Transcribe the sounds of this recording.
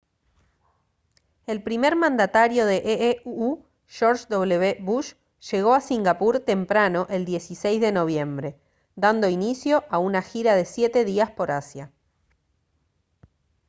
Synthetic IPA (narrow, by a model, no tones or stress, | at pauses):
e̞lpɾime̞ɾmãnd̪at̪aɾjo̞ðe̞ʔeu | ʃo̞ɾʃd̪o̞βleβeβuʃ | ʒ̥e̞ɣo̞asiŋɡapuɾt̪e̞mpɾano̞ʔe̞ld̪je̞sisejzðeno̞β̞je̞mbɾe̞ | d̪and̪o̞inisjo̞ʔaunaxiɾaðe̞sje̞t̪e̞ðiaspo̞ɾasja